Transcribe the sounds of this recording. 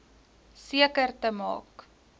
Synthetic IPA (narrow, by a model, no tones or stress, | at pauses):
siəkərtəmɑ̰ːk